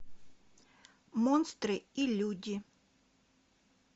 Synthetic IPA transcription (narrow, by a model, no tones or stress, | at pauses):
mɔnst̪ɾɨilʲudʲi